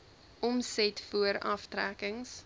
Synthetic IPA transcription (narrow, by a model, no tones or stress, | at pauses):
ɔmsɛtfuəɾɐftrækəŋs